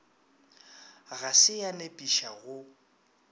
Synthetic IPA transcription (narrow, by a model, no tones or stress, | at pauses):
ɣasɪjanepʼiʃaɣʊ